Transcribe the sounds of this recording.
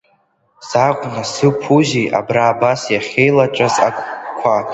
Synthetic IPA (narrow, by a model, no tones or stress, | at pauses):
sakʷʼnasɨpʰuziʔa̰braːbasjaχʲejlaʈ͡ʂʼaza̰kʷʰʼkʷʰa